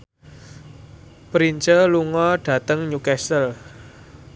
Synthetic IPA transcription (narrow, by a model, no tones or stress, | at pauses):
pɾiɲt͡ʃəluŋɔɖ̥ä̤t̪əŋɲukɛsəl